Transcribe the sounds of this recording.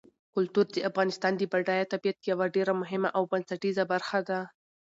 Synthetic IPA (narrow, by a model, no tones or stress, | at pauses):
kʊlt̪uɾd̪əʔafɣɑnɪst̪ɑnd̪əbaɖajat̪abijat̪jawaɖeɾamʊɦɪmaʔawbansaʈizabaɾxad̪a